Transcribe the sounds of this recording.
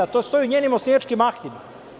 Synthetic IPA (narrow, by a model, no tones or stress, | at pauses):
at̪ost̪ojuɲeːnimosniat͡ʃkimaxt̪ima